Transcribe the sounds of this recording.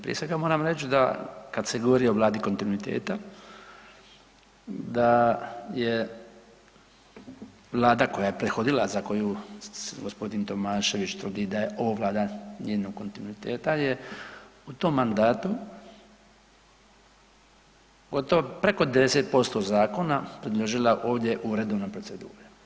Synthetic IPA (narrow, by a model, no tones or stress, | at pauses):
pɾije̞sʋe̞ɡamoːɾamɾet͡ʃd̪a̰kad̪seɡoʋoɾioʋlˠaːd̪iko̞nt̪inuit̪ḛːt̪a | d̪aje | ʋlˠaːd̪ako̞jajepɾexo̞d̪ilazako̞juːɡospo̞d̪int̪o̞maːʃe̞ʋit͡ʃt̪vud̪id̪aje̞ʔo̞ʋoːʋlaːd̪aned̪noɡkːo̞nt̪inuit̪eːt̪aje | ut̪oːmːand̪aːt̪u | ɡo̞t̪oʋopɾe̞ko̞d̪ed̪eset̪̚po̞st̪o̞zaːko̞napɾid̪lˠoʒilaʔo̞ːʋd̪je̞ʔuɾed̪ounapɾo̞t̪se̞d̪ṵːɾe